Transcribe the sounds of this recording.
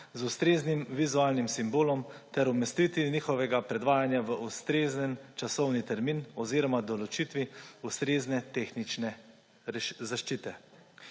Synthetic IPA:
zust̪ɾeːznimʋizuaːlnimsimboːlɔmt̪ɛɾɔmɛst̪it̪ʋinixɔʋɛɡapɾɛd̪ʋaːjanjaʋəʔust̪ɾeːznənt͡ʃasɔwnit̪ɛɾmiːnɔziːɾɔmad̪ɔlɔt͡ʃit̪ʋiust̪ɾeːznɛt̪exnit͡ʃnɛ | ʃzaʃt͡ʃiːt̪ɛ

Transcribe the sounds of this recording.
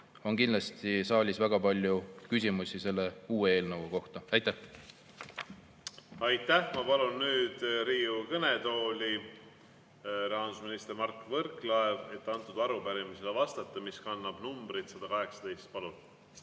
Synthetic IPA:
o̞nkind̪lɑst̪isɑːlʲisvæɡ̥ɑpɑlʲjukys̬ʲimusise̞lːe̞uːee̞ːlnɤwoko̞ht̪ɑɑjt̪ːˑæh | ɑjt̪ːæhmɑpɑlunːyːd̪ɾiːukɤnet̪o̞ːlʲi | ɾeɑnd̪usminist̪ermɑrkːvɤɾklɑeve̞t̪ːɑnt̪ːˑud̪ɑɾupæɾimiselevɑst̪ɑt̪ˑːɑmiskɑnːɑb̥numbɾit̪sɑd̪̥ɑkɑɦe̞ksɑ̥d̪e̞jst̪̚pɑlun

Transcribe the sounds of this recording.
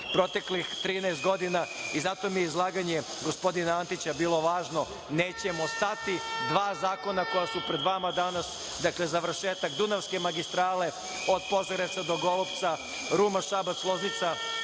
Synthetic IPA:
pɾo̞t̪e̞klixt̪ɾiːnaest̪̚ɡo̞d̪inaizat̪o̞mijeizlˠaːɡaɲe | ɡospo̞d̪inaant̪it͡ɕabiːlˠo̞ʋaːʒno̞ | neːt͡ɕemost̪at̪id̪ʋaːzaːko̞nako̞jasupɾed̪ʋamad̪anas | d̪aklezaʋr̩ʃeːt̪akd̪unaʋske̞maɡist̪ɾaːle̞ | o̞d̪po̞zaɾet̪sad̪o̞ɡo̞lˠopt̪sa | ɾumaʃabat̪slˠoznit̪sa

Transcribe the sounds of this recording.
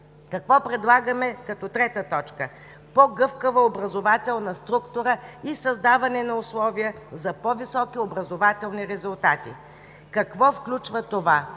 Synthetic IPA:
kɐkvɔpɾɛd̪lˠaɡəmɛkɐt̪ɔt̪ɾɛt̪ət̪ɔt͡ʃkə | pɔɡɤfkəvɐobɾɐzovat̪ɛlˠnɐst̪ɾukt̪ʊɾəisɐzd̪avɐnɛnɐʊslˠɔvijə | zɐpɔvisɔkiobɾɐzovat̪ɛlˠniɾɛzʊlˠt̪at̪ḭ | kɐkvɔfklʲut͡ʃvət̪ova

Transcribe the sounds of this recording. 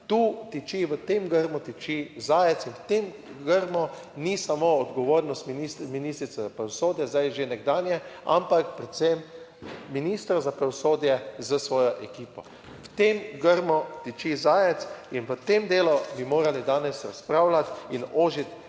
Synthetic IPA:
t̪uːt̪it͡ʃiʋət̪emɡəɾmut̪it͡ʃizaːjɛt̪sinwt̪em | ɡəɾmɔ | nisamoːd̪ɡɔʋoːɾnɔst̪minist̪miniːst̪ɾit̪sɛzapɾaʋɔsoːd̪jɛzd̪ajʒenɛɡd̪aːnjɛa̰mpakpɾɛt̪semː | inist̪ɾazapɾaʋɔsoːd̪jɛzəsʋɔːjɔʔɛkiːpɔ | wt̪emɡəɾmɔt̪it͡ʃizaːjɛt̪sinʋət̪emd̪eːlubimoːɾalid̪aːnɛsɾaspɾaːwlat̪inoːʒit̪

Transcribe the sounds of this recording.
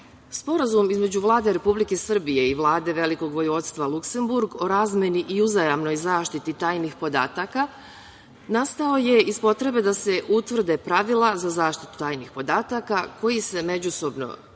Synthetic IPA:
spo̞ɾazumizme̞d͡ʑuʋlˠaːd̪e̞ɾe̞publike̞sr̩bije̞iʋlˠaːd̪e̞ʋe̞liko̞ɡʋo̞juʋo̞t̪st̪ʋalˠukse̞mbuɾɡo̞ɾaːzmje̞niʔiuzajamno̞jzaːʃt̪it̪it̪aːjnixpo̞d̪a̰ːt̪aka | nast̪ao̞je̞izspo̞t̪ɾe̞be̞d̪ase̞ʔut̪ʋr̩d̪e̞pɾaʋilˠazazaːʃt̪i̥t̪u̥t̪aːjnixpo̞d̪aːt̪akako̞jise̞me̞d͡ʑuso̞bno̞̰

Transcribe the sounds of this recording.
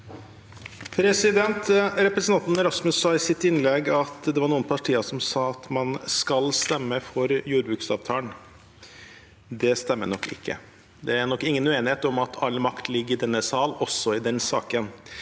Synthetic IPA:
pʰɾɛsɪd̪ɛnt̪ɾɛpɾəsənɑnt̪nɛɾɑsmʉsːɑːɪsɪt̪ːɪnlɛɡɑt̪d̪ɛʋɑɾɳuːənpʰɑʈʰiːɑʂɔmsɑːɑt̪mɑnskɑlst̪ɛmːəfɔɾjuːɾbʉːksɑ̰ːʋt̪ʰɑːəɳ | d̪ɛst̪ɛmːə̰ɳɔkːɪ̰kːə̰ | d̪ɛæɳɔkːɪŋːənʉeːnɪheːt̪ɔmɑt̪ʰɑlːmɑkt̪lɪɡːəɾɪd̪ɛnːəsɑːlɔsɔɪd̪ɛnsɑːkən

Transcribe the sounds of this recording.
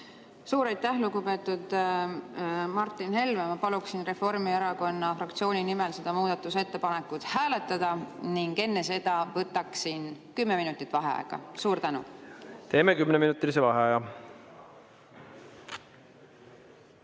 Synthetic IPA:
suːɾɑjt̪ːæhluɡupe̞ːt̪ːˑud̪̥ | mɑrt̪ːˑinhe̞lmemɑpɑluksinre̞fo̞rmieɾɑko̞nːɑfrɑkt̪sio̞ːnʲinimelse̞d̪̥ɑmuːd̪̥ɑt̪ːˑuse̞t̪ːe̞pɑne̞kːˑut̪hæːle̞t̪ːˑɑd̪̥ɑniŋɡe̞nːese̞d̪̥ɑvɤt̪ːˑɑksinkymːeminut̪ːˑit̪ːˑvɑɦḛɑ̰ḛɡ̥ɑ̰suːɾt̪ænṵt̪e̞ːmekymneminut̪ːˑilisevɑɦeɑjɑ

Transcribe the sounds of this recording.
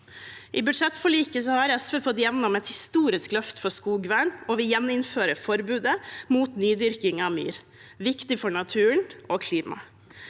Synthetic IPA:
ʔɪːbʉd̪ʂɛt̪ːfɔɭiːkəsɔhɑɾɛsʋeːfɔt̪jɛʋnɔmɛt̪hɪst̪uːɾɪsklœft̪fɔskuːɡʋæːɳɔʋɪjɛnːɪnføːɾəfɔɾbʉːd̪əmuːt̪nyːd̪ʏɾkɪŋɑʋmy̰ːɾ | ʋɪkt̪ɪfɔɳɑt̪ʰʉːəɳoːkʰliːmɑ̰

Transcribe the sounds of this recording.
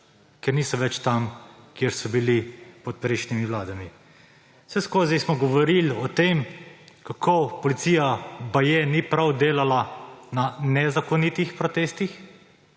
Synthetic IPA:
kɛɾniːsɔʋɛt͡ʃt̪amkieɾsɔbilipɔt̪̚pɾejʃnimiʋlaːd̪ami̥ | sɛskoːzajsmɔɡɔʋɔɾilɔt̪eːmkakʰopɔlit̪siːjabajenipɾawd̪eːlalananɛzakɔnit̪ixpɾɔt̪eːst̪ix

